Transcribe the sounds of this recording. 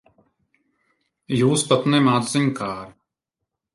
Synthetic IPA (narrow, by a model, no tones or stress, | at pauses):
juːspɐt̪nemaːd̪zɪmʲkaːɾ